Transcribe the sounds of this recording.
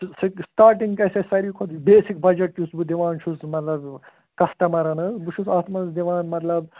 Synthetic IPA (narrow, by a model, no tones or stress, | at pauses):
sɨksʈaːɾʈ̬iŋɡkɐsɐsɐɾikʰot̪beːsik̚bɐd͡ʒɐʈ̚t͡ʃusbud̪iʋaːnt͡ʃʰusmɐt̪lɐb | kɐst̪ɐmɐɾɐnɨbut͡ʃʰusaːt̪ʰmɐnsd̪iʋaːnmɐt̪lɐb